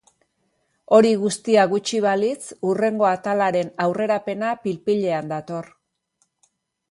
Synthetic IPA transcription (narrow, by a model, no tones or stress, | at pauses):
o̞ɾiɣust̪iaɣut͡ʃiβ̞alit͡sure̞ŋɡo̞at̪alaɾe̞nawre̞ɾape̞napilpiʎe̞and̪at̪o̞r